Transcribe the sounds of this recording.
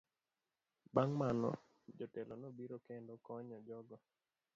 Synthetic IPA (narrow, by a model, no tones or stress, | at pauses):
baŋmanɔ̰ | d͡ʒɔtɛlɔnobiɾokendokɔɲɔd͡ʒɔɡɔ